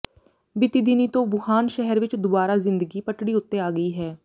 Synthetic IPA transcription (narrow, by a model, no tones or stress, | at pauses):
bɪt̪iːd̪iniːt̪õːʋʊhaːnʃɛɦəɾʋɪt͡ʃd̪obaːɾaːzɪ̃nd̪əɡiːpəʈɽiːʊt̪ːeːaːɡəiːɦɛː